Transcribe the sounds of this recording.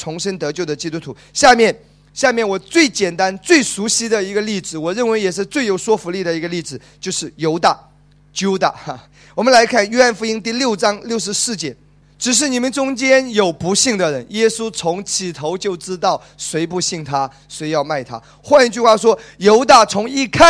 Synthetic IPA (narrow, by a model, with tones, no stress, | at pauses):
t͡sʰʊ˧˥ŋʂə˥nt̪ɤ˧˥t͡ɕjo˥˩ʊd̪ə˩t͡ɕi˥t̪u˥t̪ʰu˧˥ɕja˥˧mjɛ˥˩n | ɕja˥˧mjɛ˥˩nwɔ˨˩t͡swe˥˩ɪt͡ɕjɛ˨˩nt̪a˥nt͡swe˥˩ɪʂu˧˥ɕi˥d̪ə˨i˧˥ɡə˧li˥˩t͡sɻ̩˨˩wɔ˨˩ɻə˥˩nwe˧˥ɪjɛ˨˩ʂ̬ɻ̩˥˧t͡swe˥ɪjo˨˩ʊswɔ˥fu˧˥li˥˩d̪ə˩i˧˥ɡə˧li˥˩ʈ͡ʂɹ̩˨˩t͡ɕjo˥˧ʊʂɻ̩˥˩jo˧˥ʊt̪a˥˩ | t͡ɕjo˥ʊt̪a̰˥˩˧ | wɔ˨˩mə˦nla˧˥ɪkʰa˥˩njɛ˥xa˥˩nfu˧˥i˥ŋt̪i˥˧ljo˥˩ʊʈ͡ʂɑ˥ŋljo˥˩ʊʂ̬ɻ̩˧˥sɹ̩˥˩t͡ɕjɛ˧˥ | ʈ͡ʂɻ̩˨˩ʂ̬ɻ̩˥˩ni˨˩mə˧˦nʈ͡ʂʊ˥ŋt͡ɕjɛ˥njo˨˩ʊpu˧˥ɕi˥˩ŋd̪ə˩ɻə˧˦njɛ˥su˥t͡sʰʊ˧˥ŋt͡ɕʰi˨˩t̪ʰo˧˥ʊt͡ɕjo˥˩ʊʈ͡ʂɻ̩˥t̪ɑ˥˩ʊswe˧˥ɪpu˥˧ɕi˥˩ŋt̪ʰa˥ | swe˧˥ɪjɑ˥˧ʊma˥˩ɪt̪ʰa̰˥ | xwa˥˧ni˧˥t͡ɕy˥˧xwa˥˩ʂwɔ˥jo˧˥ʊt̪a˥˩t͡sʰʊ˧˥ŋi˥˧kʰa˥˨